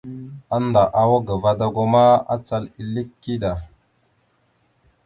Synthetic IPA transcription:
a˦nda˨ʔa˨wo˦ɡə˨va˨da˨ɡo˦ma˦a̰˦t͡sa˦li˨li˦kːi˦ɗa˨

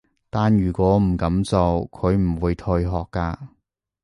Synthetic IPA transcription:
t̪aː˨˧njyː˨˩kwɔː˨˥m̩˨˩kɐ˨˥mt͡so˨˧wkʰɵ˨˧ɥm̩˨˩wuː˨˧jt̪ʰɵ˧jɦɔː˨kːaː˧

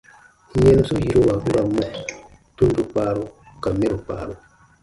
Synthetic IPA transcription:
ɲe˦n˦su˦ji˦ɾo˦wa˨ɡu˦ɾa˨mo˦˨ | tu˦n˦du˦k͡paː˦ɾo˦ | ka˨me˦ɾu˨k͡pa̰˨˦˨ɾo˦

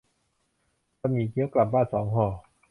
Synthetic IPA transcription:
a˧miː˨˦kʰi˦ə˥wkla˨˩p̚baː˥˩nsɔː˩˦ŋɦɔː˧˩

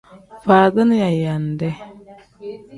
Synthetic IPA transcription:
faː˨də˦n˦ja˨ja˨ndɛ˦

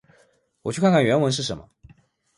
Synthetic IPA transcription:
wɔ˨˩t͡ɕʰjkʰa˥˧ŋkʰa˥˩ɥɛ˧˥nwə˧˥nʂɻ̩˥˩ʂə˧˥nmə˧

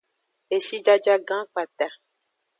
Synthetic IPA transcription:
e˨ʃi˦d͡ʒa˦d͡ʒa˦ɡã˦k͡pa˨t̪a˨

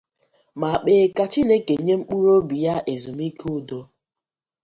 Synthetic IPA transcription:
ma˨k͡peː˨ka˨t͡ʃi˦ne˦ke˨ɲe˦ŋ͡m̩˦k͡pu˦ɾo˦bi˨ja˦ʔe˨zu˨mi˦kʰu˦do˦

